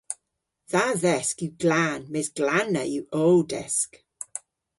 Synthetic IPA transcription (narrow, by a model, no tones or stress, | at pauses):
ðaðɛskiwɡlaːnmeːsɡ̥lanəiwowdɛsk